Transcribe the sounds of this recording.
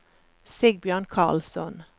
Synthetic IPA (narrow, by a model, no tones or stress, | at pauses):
sɪɡ̚bjœːʁnkʰɑ̰ʁlsɔn